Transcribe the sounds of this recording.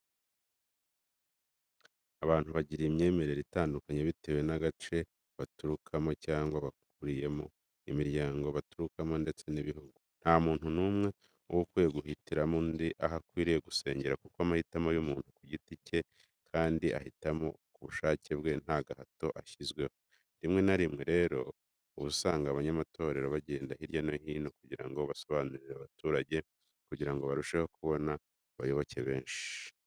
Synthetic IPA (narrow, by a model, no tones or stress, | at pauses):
aβaːn̥huβaɟiɾimɲe̞ːme̞ɾe̞ɾitaːndukaɲeβite̞we̞naɡat͡ʃe̞ | βatuɾukʰamo̞caːŋɡwaβak̚uɾije̞mo̞ | imiɾɟaːŋɡoβatuɾukamo̞nde̞t͡se̞niβiɦuɡun̥hamuːn̥hunuːmŋe̞ | owokwujeɡuhitiɾamundiʔaɦakwiːɾije̞ɡuse̞̰ːɲɟeɾakukoamahitamojumuːn̥ukuɟitice̞ | kʰaːndiʔa̰hitamo̞̰kuβuʃaːce̞bɡe̞n̥haɡahato̞ʔaçizɡwe̞ho̞ | ndimŋe̞naɾimŋe̞ɾe̞ːɾo̞ː | βusaːŋɡaβaɲamato̞ːɾe̞ɾo̞βaɟeːndahiɾjanohiːnokuɟiɾa̰ŋɡo̞βaso̞βaːnuɾiɾeaβatuːɾaɟe̞ | kuɟiɾaŋɡo̞βaɾuʃe̞ho̞kuβo̞na | βajo̞βo̞ce̞βe̞ːnʃi̥i